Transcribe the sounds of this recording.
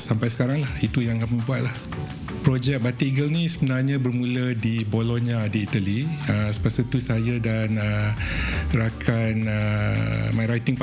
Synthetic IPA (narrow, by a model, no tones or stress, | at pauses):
sampajsə̥kaɾaŋlahit̪ujaŋkaməbuat̪̚lah | pɾɔd͡ʒɛk̚bat̪iɡəlnĩsəbənarɲãbərmũlədiboloniaːdiːt̪aliəsə̥pasət̪usajadanə | rakʰanə | majɾajt̪ɪŋp